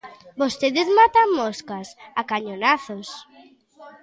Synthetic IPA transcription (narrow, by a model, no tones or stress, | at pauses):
bost̪eðezmat̪aŋmoskasakaɲonaθos